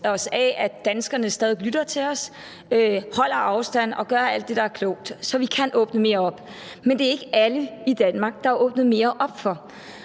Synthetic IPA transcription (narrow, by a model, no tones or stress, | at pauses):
ɒ̽sɛæd̥ænsɡ̥ɐnəsd̥ɛːðˠilyd̥ɐt͡sʰe̝lɒ̽s | øhɒ̽l̰ɐʔɑ̈ʊsd̥æn̰ɒ̽ɡ̥ɶɐæl̰d̥ːe̝ɾ̥ɑ̈æɐkʰlɔ̰ʊ̰d̥sɒ̽ʋikʰænʔɔːb̥nəme̝ːɐɒ̽b̥ | mend̥e̝æɐe̝ɡ̥əʔæləid̥ænmɑ̈ɡ̥̚d̥ɑ̈æɐʔɔ̽ːb̥nð̞̩ˠme̝ːɐʔɒ̽b̥fɒ̽